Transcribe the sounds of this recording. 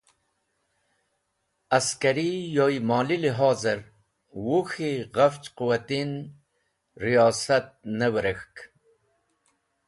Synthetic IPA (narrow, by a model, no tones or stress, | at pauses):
askaɾijojmɑːliliɦɑːzɨɾ | wuxiɣaft͡ʃquwat̪in | ɾijɑːsat̪̚nəwɾəxk